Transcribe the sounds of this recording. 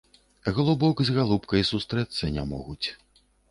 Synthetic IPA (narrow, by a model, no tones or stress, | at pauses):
ɣlˠubɔkzɣalˠupkɐjsust̪ɾɛt̪sːɐnʲa̰mɔ̰ɣut͡sʲ